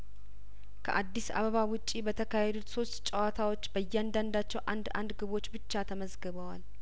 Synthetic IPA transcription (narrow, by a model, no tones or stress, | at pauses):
kʰə̰ʔad̪ːisa̰βəβawʊt͡ʃʼːibət̪ʰəkʰahɛd̪ut̪so̞st̪t͡ʃʼːəwat̪ʰawo̞t͡ʃːbəjːɛand̪and̪at͡ʃːɛwʔa̰nd̪a̰nd̪ɡɨβo̞t͡ʃːbɨt͡ʃːat̪ʰəməzɡəβəwal